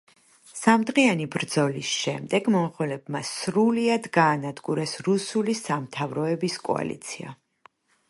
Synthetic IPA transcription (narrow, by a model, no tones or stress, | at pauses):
samd̪ʁianibɾd̪zɔlisʃɛmd̪ɛɡmɔχɛlɛbmasɾuliad̪ɡaːnad̪ɡuɾɛsɾusulisamt̪ʰavɾɔɛbiskʼɔ̰a̰lḭt̪sʰia̰